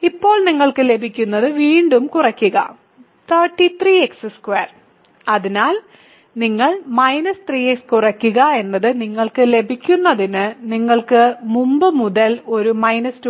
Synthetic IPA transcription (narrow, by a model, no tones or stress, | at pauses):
ipːo̞ːɭniŋːɐɭkɨle̞bʱikʲːunːɐðɨʋiːɳɖumkurɐkʲːuɣɐ̰ | t̪ʰɐːʈːit̪riːeksɨskweːr | ɐðinaːl | niŋːɐɭmɐjnɐst̪riːekskurɐkʲːuɣɐe̞nːɐðɨniŋːɐɭkɨle̞bʱikʲːunːɐðinɨniŋːɐɭkɨmumbɨmuðɐlo̞ɾumɐjnɐst